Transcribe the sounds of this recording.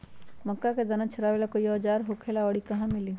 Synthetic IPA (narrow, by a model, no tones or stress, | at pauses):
məkːaked̪ənat͡ʃʰəɾaʋelakoiɔːd͡ʒaːɾɦokʰelaɔɽikɐɦãmɪli